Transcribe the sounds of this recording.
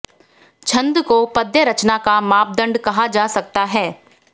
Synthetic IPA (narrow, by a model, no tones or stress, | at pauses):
t͡ʃʰɐ̃nd̪kopɐd̪jəɾɐt͡ʃnakamaːp̚d̪ɐ̃ɳɖkɐɦad͡ʒaːsɐk̚t̪aɦɛː